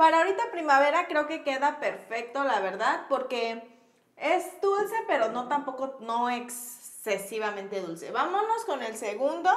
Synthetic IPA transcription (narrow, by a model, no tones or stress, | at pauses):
paɾaoɾit̪apɾimaβe̞ɾakɾe̞oke̞ke̞ðape̞ɾfe̞k̚t̪o̞laβe̞ɾðaðpo̞ɾke̞ | ezd̪ulse̞pe̞ɾo̞no̞t̪ampo̞ko̞no̞eksːe̞siβamẽnt̪e̞ðulse̞̰βamono̞sko̞ne̞lseɣund̪o̞